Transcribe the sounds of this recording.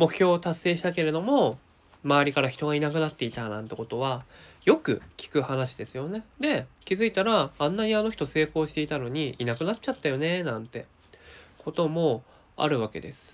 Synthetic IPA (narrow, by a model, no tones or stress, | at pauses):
mo̞kɯ̟̥çʲo̞ːt̪asːe̞ːɕi̥t̪ake̞ɾe̞d̪o̞mo̞ | maβɾʲikaɾaçi̥t̪o̞ɡainakɯ̟nat̪ːe̞it̪anã̰nt̪e̞ko̞t̪o̞βajo̞kɯ̟̰kʲi̥kɯ̟hanaɕi̥d̪e̞sɨjo̞ne̞d̪e̞kʲizɨit̪aɾãːnːaɲ̟iano̞çi̥t̪o̞se̞ːko̞ːɕi̥t̪e̞it̪ano̞ɲ̟iinakɯ̟natt͡ɕat̪ːajo̞ne̞nãnt̪e̞ | kʰo̞t̪o̞mo̞ | a̰ɾɯ̟βake̞̰d̪e̞sɨ̥